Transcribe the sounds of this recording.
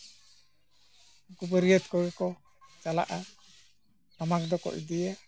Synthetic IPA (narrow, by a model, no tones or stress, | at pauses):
kubəɾijət̪̚kɔɾɛkɔ | t͡ʃala̰ʔa | tamak̚d̪ɔkɔ̰ʔd̪ijɛ